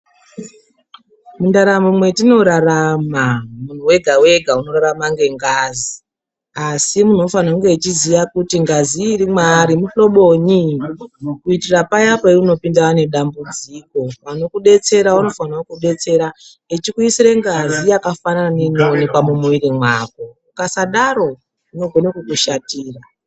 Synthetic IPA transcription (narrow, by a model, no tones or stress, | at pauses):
mundaɾamumwe̞tino̞ɾaramamun̤uwe̞ɡʱawe̞ɡʱauno̞ɾaɾamaŋɡe̞ŋɡazi | asimun̤o̞fanakuŋɡe̞ːt͡ʃiziʋakutiŋɡaziːɾimwaɾimuɬo̞ɓo̞ɲi | kuitirapajapaiuno̞pindawane̞ɗambud͡ziːko̞ʋano̞kuɗe̞t͡se̞ɾaano̞fanawokuɗe̞t͡se̞ɾa | et͡ʃikuisiɾe̞ŋɡazijakafananeinoonekwamumuiɾimwak̚oukasaɗaɾo̞ | uno̞ɡʱo̞nekukuʃatiːra